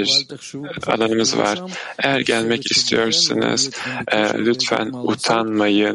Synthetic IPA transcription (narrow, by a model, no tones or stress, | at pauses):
iɾ | a̰lˠanɯmɯzva̰ɾ̥ejæɾɟælʲmɛcist̪ʰijo̞ɾsanɯ̰z̥ | lʲyt̪fæ̰nut̪ʰanmajɯ